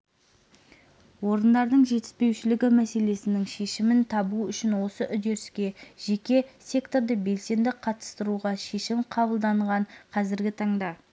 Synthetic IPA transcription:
wo̞ɾənd̪ɑɾd̪əɴʒe̞t̪ɪ̥spe̞wʃɪlɪɡʲɪmæse̞le̞sɪnɪŋʃe̞ʃɪmɪnt̪ʰɑbuʏʃɪnwo̞səʔʏd̪e̞ɾɪskʲe̞ʒ̥e̞kʲe̞sʲe̞kt̪o̞ɾd̪əbe̞lse̞nd̪ɪqʰɑt̪ə̥st̪əɾuʁɑʃe̞ʃɪmqʰɑbəlˠd̪ɑɴʁɑɴqʰɑzɪɾɡʲɪt̪ʰɑɴd̪ɑ

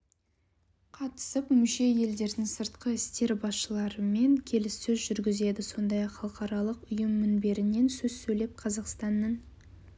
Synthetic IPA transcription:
qʰɑt̪ə̥səpmʏʃe̞je̞ld̪e̞ɾd̪ɪŋsəɾt̪qəɪst̪e̞ɾbɑsʃəlˠɑɾəme̞ŋkʲʰe̞lɪsːɵzʒʏɾɡʲɪze̞d̪ɪso̞nd̪ɑjɑqχɑlˠəqɑɾɑlˠəqʊjəmːʏnbe̞ɾɪne̞nsɵzsɵjle̞p̚qʰɑzɑqst̪ɑnːɑn

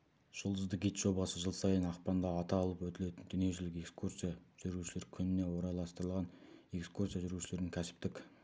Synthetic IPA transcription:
ʒ̥ʊlˠd̪əzd̪əkɡʲijt̪ʒ̥o̞bɑsəʒəlˠsɑjənɑqpɑnd̪ɑːt̪ɑːlˠəpwɵt̪ɪle̞t̪ɪnd̪ʏne̞ʒʏlɪke̞kskʰursijaʒ̥ʏɾuʃɪle̞ɾkʲʰʏnɪne̞wo̞ɾɑjlˠɑst̪əɾəlˠʁɑne̞kskursijaʒʏɾuʃɪle̞ɾd̪ɪŋkʲʰæsɪ̥p̚t̪ɪkʲ

